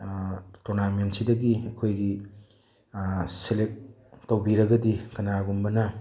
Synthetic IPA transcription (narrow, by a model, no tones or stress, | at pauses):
tɔɾnamentsidɐɡiɐkʰojɡi | selek̚ | tawbiɾɐɡɐdikɐnaɡumbɐnɐ